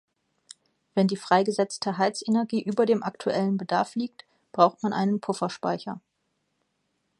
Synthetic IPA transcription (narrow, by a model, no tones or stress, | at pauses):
v̥ɛndiːfʁ̥aɪɡəzɛt͡stʰəɦaɪt͡senɛɐɡiːʔyːbɐdeːmʔaktʰuʔɛlənbədaɐfliːk̚t | b̥ʁaʊxtmanʔa̰ɪnənpʰʊfɐʃpa̰ɪçɐ